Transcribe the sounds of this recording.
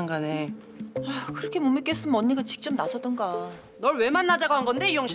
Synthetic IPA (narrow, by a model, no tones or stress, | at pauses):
aŋɡane | akɯɾʌkʰe̞momik͈es͈ɯmʌɲːiɡat͡ɕi̥k̚t͡ɕ͈ʌmnasʰʌdʌnɡa | nʌɭwe̞manːad͡ʑaɡoɦanɡʌnde̞ijoŋɕʰi